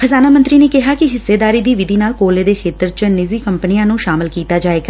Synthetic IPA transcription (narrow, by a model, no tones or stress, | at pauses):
pʰəzaːnaːmənt̪ɾiːneːkɪɦaːkɪɦɪsːeːd̪aːɾiːd̪iːʋɪd̪iːnaːlkoːleːd̪eːkʰeːt̪əɾt͡ʃənɪziːkəmpənijãːnũːʃaːmɪlkiːt̪aːd͡ʒaːeːɡaː